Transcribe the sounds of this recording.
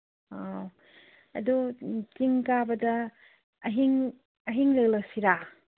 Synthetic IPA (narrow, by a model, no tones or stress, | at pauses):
a | ɐ̰dutiŋkabɐdɐː | ɦiŋ | ɐɦiŋlɐjlɐsiɾa